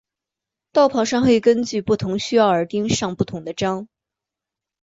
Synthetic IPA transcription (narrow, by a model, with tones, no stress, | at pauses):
t̪ɑ˥˩ʊpʰɑ˧˥ʂɑ˥˧ŋxwe˥˩ɪkə˥nt͡ɕy˥˧pu˥˩t̪ʰʊ˧˥ŋɕy˥jɑ˥˩ʊə˞˧˥t̪i˥ŋʂɑ˥˧ŋpu˥˩t̪ʰʊ˧˥ŋd̪ə˧ʈ͡ʂɑ˥ŋ